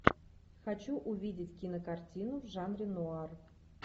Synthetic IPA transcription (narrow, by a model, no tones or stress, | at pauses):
xat͡ɕuʔuvʲidʲɪtʲkʲinəkartʲinuʐɑnrʲɪnuɑr